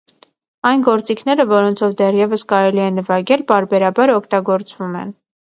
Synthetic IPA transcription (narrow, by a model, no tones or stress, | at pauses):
ɑjnɡɔɾt͡sikʰnɛɾəvɔɾɔnt͡sʰɔvd̪ɛrjɛvəskɑɾɛliɛnːəvɑɡɛlpɑɾbɛɾɑbɑɾɔkʰt̪ɑɡɔɾt͡svumɛ̰n